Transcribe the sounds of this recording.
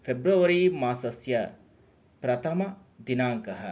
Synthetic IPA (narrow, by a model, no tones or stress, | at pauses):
fʰebɾuɐʋɐɾimaːsɐsjɐ | pɾɐt̪ʰɐmɐ | d̪inaːŋkɐɦɐ